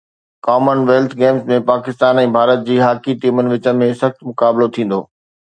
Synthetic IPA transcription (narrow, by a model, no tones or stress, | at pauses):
kɔːmənʋeːlt̪ʰɡeːmsmẽpaːkɪst̪aːnɛ̃ːbʱaːɾət̪̚d͡ʑiːɦaːkiʈiːmənɪ̆ʋɪt͡ɕə̆mẽsɐxt̪mʊkaːblot̪ʰĩːn̆d̪o̰ː